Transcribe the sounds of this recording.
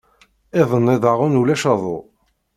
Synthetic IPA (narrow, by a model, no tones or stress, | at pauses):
ɪðˤənːɪðˤɑʁʊnulæʃɑðˤo̰